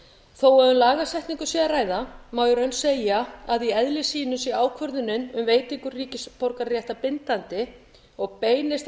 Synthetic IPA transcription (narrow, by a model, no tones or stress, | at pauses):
θowɛðʏmlaːɣasɛjht̪niŋkʏsjɛðaraːjðamaːwjʏɾœɥnseːjaaðiɛðlɪsiːnʏmsiaːwkʰvœɾðʏnːʏnʏmveːjt̪ɪŋkʏrriːcɪspoɾkarjɛht̪apɪnt̪ant̪ɪ | ɔɣpeːjnɪst̪